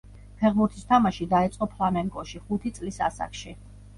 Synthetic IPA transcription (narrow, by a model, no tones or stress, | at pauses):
pʰɛʁbuɾt̪ʰist̪ʰamaʃid̪aɛt̪sʼqʼɔpʰlˠamɛŋkʼɔʃiχut̪ʰit̪sʼlisa̰sa̰kʰʃi